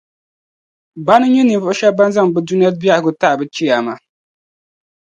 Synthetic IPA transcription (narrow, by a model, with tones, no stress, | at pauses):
ba˦nɨ˦ɲi˦nɨ˨vʊ˦ʔʊ˦ʃa˦ba˦n˦za˦ŋ˨bɨ˦du˦ni˦ja˦bi˦a˦˨ɡʊ˦ta˦ʔbɨ˦t͡ʃi˦ja˨ma˨